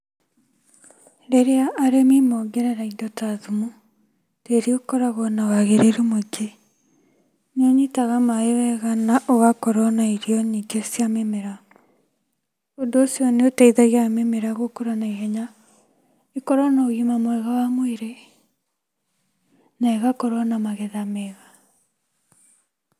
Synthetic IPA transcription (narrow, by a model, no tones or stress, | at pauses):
ɾeɾeaʔːɾemimɔɡɛɾɛɾaidɔtaðumu | teɾiokɔɾaɣɔnawaɣeɾeɾemoɡe | nɔɲitaɣamaewɛɣanaʔɔɣakɔɾɔnaiɾiɔɲiɡesjamemeɾa | ondoːsjɔneotaiðaɣeamemeɾaɣokoɾanaiɣɛɲa | ekɔɾɔnaoɣimamwɛɣawamoeɾe | naeɣakɔɾɔnamaɣɛðamɛɣa